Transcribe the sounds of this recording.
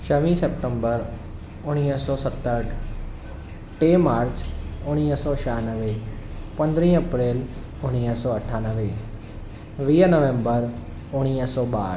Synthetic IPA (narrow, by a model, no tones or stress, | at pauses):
ʃəʋĩːsep̚ʈə̃mbəɾ | ʊɽ̃iːəsɔːsət̪ːəʈʰ | ʈeːmaːɾt͡ʃʊɽ̃iːsɔːʃaːnəʋepə̃nd̪ɾĩːəpɾeːl | ʊɽ̃iːəsɔːəʈʰaːnəʋe | ʋiːnəʋẽmbəɾ | ʊɽ̃iːsɔːɓaːɾ